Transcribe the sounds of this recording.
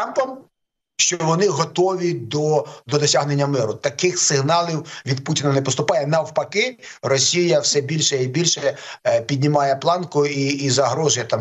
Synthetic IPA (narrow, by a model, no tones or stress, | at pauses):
t̪ɾɑmpɐm | ʃt͡ʃɔɔʋɔnɪɦɔt̪ɔʋʲid̪ɔd̪ɔd̪ɔsʲaɦnenʲːɐmɪɾʊt̪ɐkɪxsɪɦnɑlˠʲiwʋʲid̪̚putʲɪnɐnɛpɔst̪ʊpɑjɛnɐwpɐkɪrɔsʲijɐwsɛbʲilʲʃɛibʲilʲʃɛpʲid̪ʲnʲɪmɑjɛplˠɑnkʊiːzɐɦɾɔʒʊjɐt̪ɑm